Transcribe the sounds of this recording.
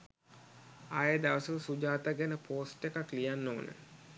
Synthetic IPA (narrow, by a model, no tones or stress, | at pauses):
ajəd̪aʋəsələsud͡ʒaːt̪aɡænəpʰoːsʈekaklijanːoːnə̰